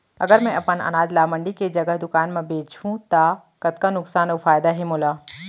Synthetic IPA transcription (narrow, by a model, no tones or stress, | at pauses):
ɐ̰ɡəɾmɛ̃ɐpənə̰naːd͡ʒlaːmə̃ɳɖiked͡ʒɐɡəɦd̪ʊkaːnmẽbeːt͡ʃʰũt̪a | kɐt̪kanʊksaːnofaːjd̪aɦemoːlaː